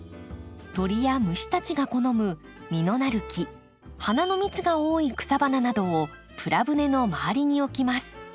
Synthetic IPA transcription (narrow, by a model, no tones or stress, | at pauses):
t̪o̞ɾʲijamɯ̟ɕi̥t̪at͡ɕiɡako̞no̞mɯ̟ | mʲino̞naɾɯ̟kʲi | hanano̞mʲit͡sɨɡao̞ːikɯ̟̥sabananad̪o̞ː | pɯ̟ɾabɯ̟ne̞no̞maaɾʲiɲ̟io̞kʲimasɨ̥